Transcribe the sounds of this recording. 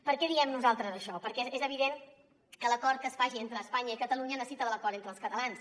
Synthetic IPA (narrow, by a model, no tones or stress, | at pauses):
pəɾkɛðiɛmnuzalˠt̪ɾəzəʃɔpəɾkɛezəβ̞iðen | kələkɔɾt̪̚kəsfaʒient̪ɾəːspaɲəikət̪əluɲənəsit̪əðələkɔɾt̪ent̪ɾəlˠskət̪əlans